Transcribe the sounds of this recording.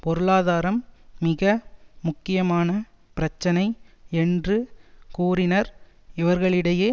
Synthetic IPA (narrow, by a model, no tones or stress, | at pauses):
pɔɾɯɭaːðaːɾɐmːɪɣɐmʊkːɪjɐmaːnɐ | pɪɾɐt͡ʃːɐnɐɪɛndrɯkuːɾɪnɐɾ | ɪʋɐɾɣɐɭɪɽɐjeː